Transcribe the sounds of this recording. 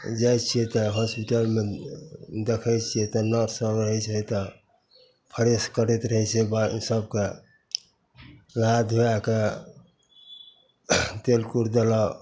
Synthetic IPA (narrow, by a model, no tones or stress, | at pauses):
d͡ʒajt͡ʃʰiet̪ɔɦɔspiʈəlme | d̪ekʰəjt͡ʃʰijet̪ɔnəɾsəbɾəɦɛt͡ʃʰɛt̪ɔ | pʰəɾeskəɾɛt̪ɾəɦɛt͡ʃebasəb̚ke | lad̪ʱujake | t̪elkuɾd̪ela